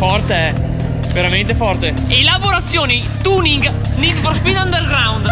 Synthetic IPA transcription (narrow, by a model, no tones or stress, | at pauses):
fɔrt̪eɛ | veɾament̪efɔrt̪e | elaboɾat̪sːjoːni | t̪uːniŋɡ | nit̪fɔɾspid̪and̪eɾɡɾawnd̪